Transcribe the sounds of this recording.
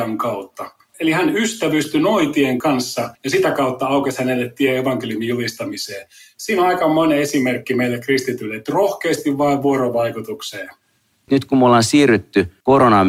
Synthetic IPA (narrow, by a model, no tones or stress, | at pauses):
ɑŋkɑut̪ːɑ | elihænyst̪æʋyst̪ynoit̪ieŋkɑnsːɑjɑsit̪ækɑut̪ːɑɑukeshænelːet̪t̪ieeʋɑŋkelijumijulist̪ɑmiseːsiːnoɑikɑmmoneesimerkːimeilːekrist̪it̪ylːet̪ːrohkeːst̪iʋʋɑiʋʋuoɾoʋɑikut̪ukseː | nyt̪kumolːɑnsiːryt̪ːykoɾonɑm